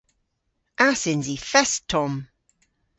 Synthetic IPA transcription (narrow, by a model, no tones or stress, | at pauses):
asɪnzifɛstʰɔm